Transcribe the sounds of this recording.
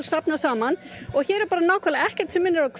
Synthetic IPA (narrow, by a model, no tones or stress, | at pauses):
lsapnasaːmanɔɣçɛːɾɛɾpaːɾanaːwkʰalaɛhcɛ̥ɾ̥t̪sɛmːɪnːɪɾakʰ